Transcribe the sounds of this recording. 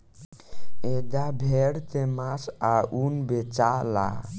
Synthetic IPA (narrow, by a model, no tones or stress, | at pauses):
ed̪abʱeɽt̪emasaʔunbet͡ʃala̰